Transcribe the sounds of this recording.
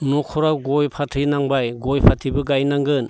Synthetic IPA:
nɔkʰɔɾawɡɔjpʰatʰɯjnaŋbajɡɔjpʰatʰibɯɡajnaŋɡɯn

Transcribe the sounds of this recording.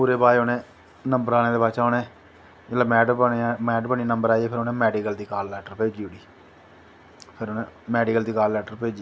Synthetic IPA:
puːɾeːbaːeonẽː | nəmbəɾaːñẽːd̪eːbaːt͡ʃaːɦoːnẽː | d͡ʒəlaːmɛːɖmɛːɖpəɳiːnəmbəɾaːiɛːpʰɪɾoːnẽːmɛːɖiːkəld̪iːkaːlːɛːʈəɾpeːd͡ʒiːʊɽiː | pʰɪɾoːnẽːmɛːɖiːkəld̪iːkaːlːɛːʈəɾpeːd͡ʒiː

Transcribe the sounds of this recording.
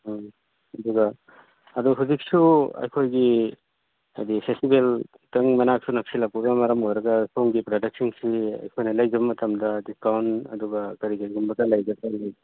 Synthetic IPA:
ɐd̪uɡɐ | ɐduɦuzik̚suɐ̰jkʰojɡi | ajdipʰestibel | tɐŋmɐnak̚sunɐk̚silak̚pubɐmɐɾɐmojɾɐɡɐsʰomɡipɾodɐk̚siŋsiɐ̰jkʰojnɐlɐjzɐbɐmɐt̪ʰɐmdɐdiskawnɐ̰duɡɐkɐɾikɐɾiɡumbɐtɐlɐjzɐbalaj

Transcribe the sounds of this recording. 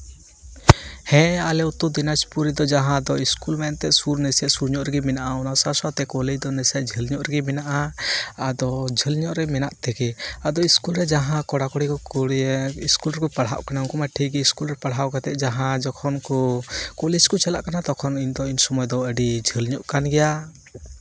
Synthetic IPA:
hɛ̃alɛut̪ud̪inaspuɾid̪ɔd͡ʒaɦãd̪ɔiskulmɛnt̪ɛʔsuɾnəsɛʔsuɾɲɔʔɾɛɡimɛnaʔaɔnasasat̪ɛkɔlɛd͡ʒd̪ɔnɛsɛʔd͡ʒʱəlɲɔʔɾɛɡɛmɛnaʔaː | d̪ɔd͡ʒʱəlɲɔʔɾɛmɛnaʔt̪ɛɡɛad̪ɔiskulɾɛd͡ʒaɦãkɔɽakɔɽikɔkɔɽiskulɾɛkɔpaɽ̤a̰ʔkanaukɔmaʈʰiɡɛiskulɾɛpaɽ̤ɦawkat̪ɛʔ̚d͡ʒaɦãd͡ʒɔkʰɔnkɔkɔlɛd͡ʒkɔt͡ʃalaʔkanat̪ɔkʰɔnind̪ɔinsɔmɔjɔd̪ɔəɖid͡ʒʱəlɲɔʔkanɡɛja

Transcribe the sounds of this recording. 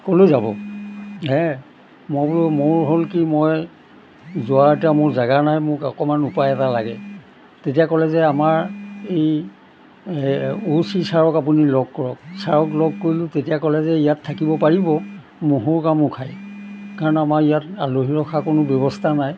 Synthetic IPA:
kolojzabɔ̰ɦɛ | mɔjblmʊɹɦolkimoj | zʊaɹtamʊɹzaɡanajmʊkɔkɔmanupajɛtalaɡɛ | tetijakɔlɛzɛamaɹej | usisaɹɔkapunilɔɡ̚kɔɹɔk̚saɹɔklɔɡ̚koɹilʊ̃tetijakɔlɛzɛijatʰːakibɔpaɹibɔ | muɦʊɹkamʊkʰajkaɹɔnamaɹijataloɦiɹɔxʰakonʊbɔβɔstʰanaj

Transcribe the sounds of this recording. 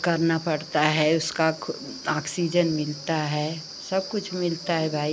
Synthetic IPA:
kɐɾnapɐɽt̪aɦɛʊska | aːksid͡ʒənmɪlt̪aɦɛ | sɐb̚kʊt͡ʃʰmɪlt̪aɦɛbʱaːi

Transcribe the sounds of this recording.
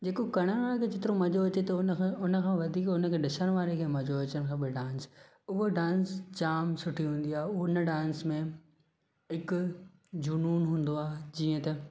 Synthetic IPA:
d͡ʑeːkokɐɽ̃əɽ̃ʋaːɾekʰed͡ʑɪt̪ɪɾomɐd͡ʑoɐt͡ɕet̪ɐʊnʊnə̆kʰãːʋɐd̪ʱiːkʊnə̆kʰẽːɗɪsəɽ̃ʋaːɾekʰeːmɐd͡ʑoɐt͡ɕəɽ̃kʰãːbɪɖãːns | ʊɦoɖãːnst͡ɕaːmsʊʈʰiɦũːn̆d̪iaːɦeʊɦoɪnə̆ɖãːnsmẽ | ɦɪkʊ | d͡ʑʊnuːnɦũːn̆d̪oaːɦd͡ʑiːə̃t̪ɐ

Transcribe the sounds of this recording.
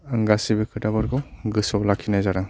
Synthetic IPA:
ɯŋɡasibɯkʰɯtabɔɾɡɔɡɯsɔwlakʰːinajzaɾa

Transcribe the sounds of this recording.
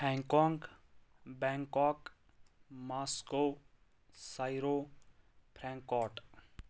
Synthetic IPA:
hɛ̃ŋkɔ̃ːŋɡ | bɛ̃ŋkɔːk | maːsko | saɪɾo | pʰɾɛ̃ŋkɔːʈ

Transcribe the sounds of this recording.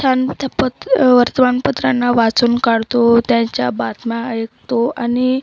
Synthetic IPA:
t̪ʰant̪ʰpət̪ʋəɾt̪əʋanpət̪ɾanːaʋat͡suːnkaɽt̪ot̪jaɲt͡ɕja̰bat̪majekt̪oani

